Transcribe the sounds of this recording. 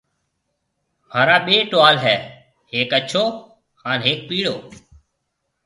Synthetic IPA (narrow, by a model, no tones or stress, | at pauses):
m̤aːɾaːɓeːʈoʋaːlɦɛː | heːkət͡ʃʰoː | haːnɦeːk̚piːɽoː